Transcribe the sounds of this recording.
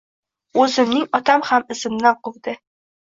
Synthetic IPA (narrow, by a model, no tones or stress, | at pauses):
ɵzɪ̆mnɪŋɒt̪amhamɪ̆zɘ̆mnaɴqʊld̪ɘ